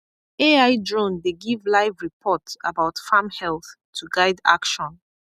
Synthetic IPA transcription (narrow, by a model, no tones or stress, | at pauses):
eaɪdɹõndeɡivlaɪvɹipʰɔtsabaʊtfamhɛlˠθtʰuɡaɪda̰kʃɔ̃n